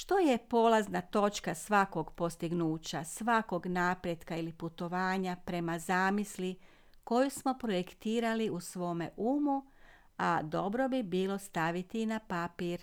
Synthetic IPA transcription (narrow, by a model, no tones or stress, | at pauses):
ʃt̪oje̞po̞ːlˠaznat̪o̞t͡ʃkasʋako̞ɡpo̞st̪iɡnuːt͡ɕasʋako̞ɡnaːpɾjed̪kailiput̪o̞ʋaːɲapɾe̞mazaːmisli | ko̞jusmo̞pɾo̞je̞kt̪iːɾaliusʋo̞ːme̞̰ʔuːmu | ad̪o̞bɾo̞bibiːlˠo̞st̪aʋit̪inapapiːɾ